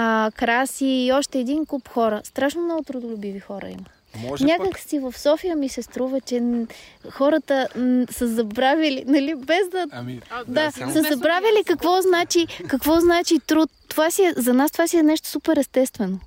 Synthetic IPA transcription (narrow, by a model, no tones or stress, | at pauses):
kɾasiːɔʃt̪ɛːd̪inkupxɔɾəst̪ɾaʃnomnɔɡʊt̪ɾʊd̪ʊlʲʊbivixɔɾə̰ḭmə | nʲakəksivɐfsɔfijəmisɛst̪ɾuvət͡ʃɛ | xɔɾət̪əsəzɐbɾavʲəlinɐlibɛzd̪ɐd̪asəzɐbɾavʲjəlikɐkvɔznat͡ʃikɐkvɔznat͡ʃit̪ɾut̪ːovasiɛzɐnast̪ovasiɛnɛʃt̪o̥supɛɾɛst̪ɛst̪vɛno